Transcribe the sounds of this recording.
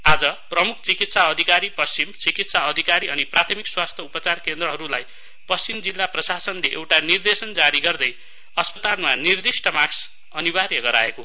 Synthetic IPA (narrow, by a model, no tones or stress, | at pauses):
ad͡zʌprʌmukʰt͡sikit̪saʌd̪ʱikaɾipʌst͡simt͡sikit̪saʌd̪ʱikaɾiʌniprat̪ʰʌmikswast̪ʰjʌupʌt͡sarkend̪rʌɦʌɾulaj | pʌst͡simd͡zilːaprʌsasʌnleʔḛwʈanird̪esʌnd͡zaɾiɡʌrd̪ʌj | ʌspʌt̪almanird̪isʈʌmaks | ʌnibarjʌɡʌɾa̰eko